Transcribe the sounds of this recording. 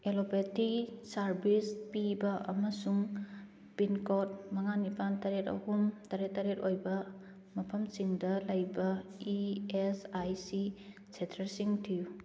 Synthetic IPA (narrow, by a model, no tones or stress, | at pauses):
elopetisɐɾbispibɐʔɐ̰mɐsuŋ | pinkot̚mɐŋanipantɐɾetɐ̰humtɐɾetːɐɾetojbɐ | mɐpʰɐmsiŋdɐlɐjbɐiesajsi | sʰetʰɐɾsiŋtʰiju